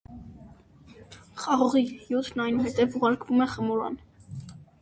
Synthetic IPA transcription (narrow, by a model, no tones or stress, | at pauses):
χɑʁɔʁijut̪ʰnɑjnuɦɛt̪ɛvuʁɑɾkvumɛχəmɔɾɑ̰n